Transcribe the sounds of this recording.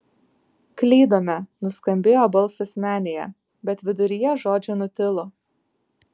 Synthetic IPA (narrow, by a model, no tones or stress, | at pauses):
klʲɛɪd̪oːmʲɛnʊskɐmʲbʲeːjoːbɐlˠˑsɛsmʲæːnʲejɛ̰ | bʲɛt̪ʋʲɪd̪ʊɾʲɪjɛʒoːd͡ʒʲʊnʊt̪ʲɪlˠʊ